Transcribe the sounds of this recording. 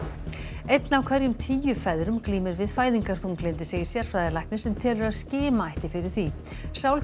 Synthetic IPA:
ejt̪nawkʰv̥ɛɾjʏmt̪ʰiːjʏfɛðɾʏmkliːmɪɾvɪðfaːjðiŋkaɾ̥θunklent̪ɪ̥seːjɪɾ̥sjɛɾ̥fɾaːðɪlajknɪsɛmt̪ʰɛːlʏɾaðscɪːmaajht̪ɪfɪɾɪɾ̥θvi | sawl

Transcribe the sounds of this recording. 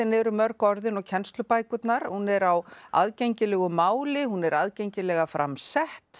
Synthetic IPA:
ɛnɛɾʏmœɾkɔɾðɪnɔcʰɛnst̪lʏpaːjkʏt̪naɾ̥hunɛɾawa̰ðcɛɲcɪlɛːɣʏmaːwlɪhunɛɾaðcɛjɲcɪlɛːɣafɾʔa̰msɛht̪

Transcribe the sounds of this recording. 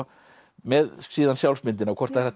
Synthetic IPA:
mɛðsiːðansjawlsmɪnt̪ɪnawkʰɔrt̪aɛɾat̪

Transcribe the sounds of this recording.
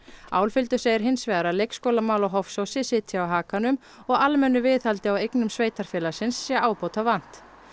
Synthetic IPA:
aːwlfɪlt̪ʏ̥seːjɪɾ̥ɦɪnsvɛːɣaɾaðlejkskoːwlamaːwlɔɦɔfsowsɪsɪt̪ʰjaawɦaːkanʏm | ɔɣalmɛnːʏvɪːθalt̪ɪawejknʏmsveːjt̪aɾ̥fɛːlḁsɪnsːjɛaːwpowt̪ʰavːan̥t̪

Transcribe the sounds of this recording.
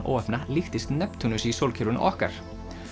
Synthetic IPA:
ʔɔ̰wɛhpnalɪxt̪ɪst̪nɛpt̪ʰunʏsisowlcʰɛɾʏnʔɔhka̰ɾ̥

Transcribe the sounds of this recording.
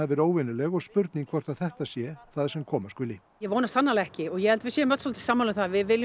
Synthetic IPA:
ɛðvɪɾoːwvɪnɪlɛɣɔɣspʏɾt̪niŋkʰvɔɾ̥t̪aðθɛht̪asjɛθaðsɛmkʰɔːmaskʏlɪ | jɛvownast̪anːalɛhcɪɔɣjɛhɛlt̪vɪsɛmœt̪sɔlt̪ʰsaːmalʏmθavɪðvɪlj

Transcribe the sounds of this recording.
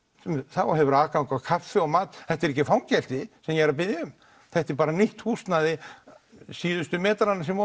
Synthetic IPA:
θawɔɦɛvʏɾaːkakakʰafɪɔɣmaːt̪θɛht̪ɛɾɛhcːɪfawŋcɛl̥t̪ɪsɛmjɛɛɾapɪðɪʏm | θɛht̪ɛɾpaːɾaniht̪huːst̪naðɪ | siːðʏst̪ʏmɛːt̪aɾanːasɛmɔ

